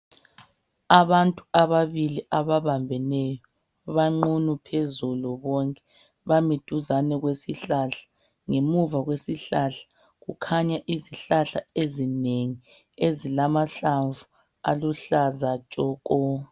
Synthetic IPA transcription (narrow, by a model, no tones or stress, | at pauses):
aβantʼuaβaβiliʔaβaβambʱɛnɛjɔ | βaŋ͡ǃunupʰezuluβɔŋkʼɛ̥ | βamid̥ʱuzanɛɣwesiɬaɬḁ | ŋemuvaɣwesiɬaɬḁ | ɣṵkʰaɲaʔiziɬaɬa̰ezineŋi | ezilamaɬaɱvu | a̰luɬazat͡ʃʼɔːkʼɔ